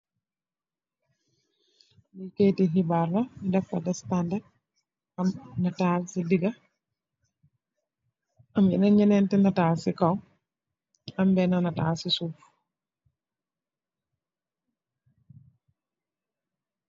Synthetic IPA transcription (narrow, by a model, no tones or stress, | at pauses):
liketiɦibarːamidakːadastandad | amnatasidiɡa | amɛ̰naɲɛnɛntɛnataːsikaw | ambɛnanataːsisuf